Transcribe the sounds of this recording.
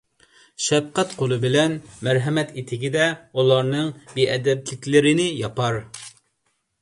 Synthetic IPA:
ʃɛp̚qæt̪qʰolˠɨbɪlɛnmæɾɦɪmɛt̪ʰit̪ʰɪɡʲɪd̪ɛulˠɑɾnɨŋbiʔɛd̪ɛblɪkʲlɪɾɪnɪjɑpʰɑɾ

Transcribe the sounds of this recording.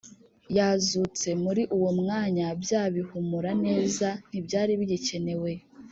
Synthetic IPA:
jazut͡se̞muɾiʔuwo̞mŋaːɲabjaːβihumuɾane̞ːzan̥ibɟaːɾiβiɟice̞ne̞we̞

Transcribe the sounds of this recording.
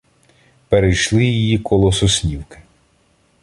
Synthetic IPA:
peɾejʃlˠɪjijikɔlˠɔsɔsʲnʲiwkɪ̥

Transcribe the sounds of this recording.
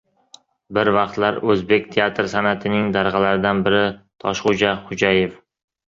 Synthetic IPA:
bɪɾvɑq̚t̪laɾɵzbe̞kʲt̪ʰeat̪ɾsanat̪ʰɪnɪŋd̪aɾʁɑlaɾɪd̪anbɪɾɪt̪ʰɒʃχʊd͡ʒaχʊd͡ʒajef

